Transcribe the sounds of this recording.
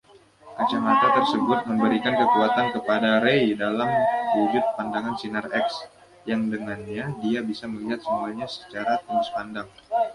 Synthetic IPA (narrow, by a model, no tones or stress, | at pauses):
ʔat͡ʃaŋat̪at̪ərsəbʊt̪̚məmbəɾikankəkuat̪ankəpadaɾeidalamwud͡ʒʊt̪̚pandaŋansinarɛks | jaŋdəŋanɲadiabisaməliɦat̪̚səmuaɲasə̥t͡ʃaɾat̪əmaspandaŋ